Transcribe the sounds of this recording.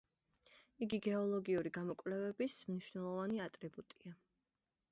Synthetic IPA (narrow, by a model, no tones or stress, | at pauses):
iɡiɡɛɔlˠɔɡiuɾiɡamɔkʼvlɛvɛbismniʃvnɛlˠɔvaniat̪ʼɾibut̪ʼia